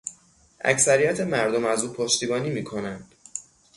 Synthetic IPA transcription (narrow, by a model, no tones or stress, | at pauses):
ʔæ̰csæɾijæt̪ʰe̞mæɾd̪o̞mæzuːpʰoʃt̪iːbɒːniːmiːkʰo̞nænd̪̥